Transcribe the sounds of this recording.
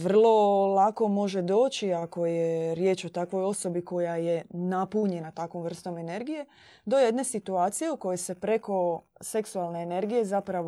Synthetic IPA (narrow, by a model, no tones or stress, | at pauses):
ʋrr̩lˠo̞lako̞mo̞ʒe̞d̪o̞ːt͡ʃiako̞jeɾje̞ːt͡ʃo̞t̪akʋo̞jo̞so̞biko̞jaje̞napuɲe̞nat̪akʋo̞mr̩st̪o̞me̞ne̞ɾɡije̞ | d̪o̞je̞d̪ne̞sit̪uaːt̪sijeuko̞jese̞pɾe̞ko̞se̞ksualˠne̞ːne̞ɾɡije̞zapɾaʋo